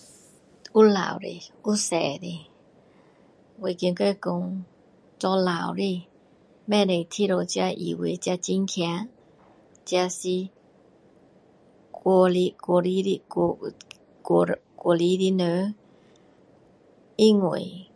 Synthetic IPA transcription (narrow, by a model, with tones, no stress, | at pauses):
u˦˥la̰˨˩˨wɾḭ˧u˦sɛ˨˩ɾi˧ | we˧˨ki˧nkə˧ko˧ŋ | t͡sɔ˧la˨˩wɾi˧ | mɛ̃˥˧˨ɾe˨˩t̪ʰi˧˨ɾo˧t͡ɕa˧ʔḭ˨we˧˦t͡ɕja˧t͡ɕi˦nkʰja˧˦ | t͡ɕja˧si˧ | ko˧li˧ko˧ɾi˧˦ɾi˧k | kko˧˨li˧˦ɾi˧˦nə˧˦ | i˦˨ŋwḛ˨